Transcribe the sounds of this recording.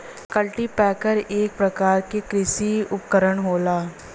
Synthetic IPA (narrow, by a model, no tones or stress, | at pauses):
kɐlʈipɛːkəɾeːk̚pɾɐkaːɾkekɾɪsiʊpkəɾəɽɦoːlaː